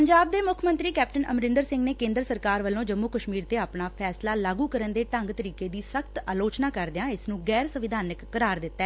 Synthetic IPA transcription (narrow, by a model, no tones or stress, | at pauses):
pəɲd͡ʒaːb̚d̪eːmʊkʰmə̃nt̪ɾiːkɛːp̚ʈənʔə̰mɾɪnd̪əɾsɪ̃ŋɡneːkẽːnd̪əɾsəɾkaːɾʋəlːõːd͡ʒəmːukəʃmiːɾt̪eːaːpɳaːpʰɛːslaːlaːɡuːkəɾənd̪eːʈəŋɡt̪əɾiːkeːd̪iːsəkʰt̪aːloːt͡ʃnaːkəɾd̪jãːɪsnũːɡɛːɾsəʋɪd̪ʱaːnəkːəɾaːɾd̪ɪt̪ːɛː